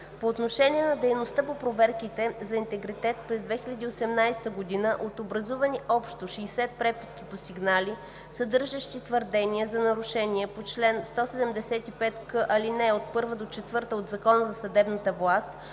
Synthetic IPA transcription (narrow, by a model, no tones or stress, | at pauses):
poːt̪noʃɛnʲiɛnɐd̪ɛjnost̪ɤpopɾovɛɾkit̪ɛzɐint̪ɛɡɾit̪ɛt̪pɾɛzd̪vɛxʲilʲɐd̪iosɛmnajst̪əɡod̪inəʔot̪obɾɐzuvəniʔɔpʃt̪oʃɛisɛt̪̚pɾɛpiskiposiɡnali | sɐd̪ɤɾʒəʃt̪it̪vəɾd̪ɛniɛzɐnɐɾuʃɛniɛpot͡ʃlɛnst̪ɔsɛd̪ɛmd̪ɛsɛt̪ipɛt̪kɤʔɐlinɛot̪̚pɤɾvəd̪ot͡ʃɛt̪vɤɾt̪əod̪zɐkɔnəzɐsɐd̪ɛbnət̪əvlˠast̪